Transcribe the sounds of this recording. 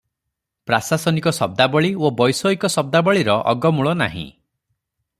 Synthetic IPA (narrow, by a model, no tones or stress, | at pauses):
pɾasasɔnikɔsɔb̚d̪abɔɭiobɔjsɔikɔsɔb̚d̪abɔɭiɾɔʔɔ̰ɡɔmuɭɔna̰ɦḭ̃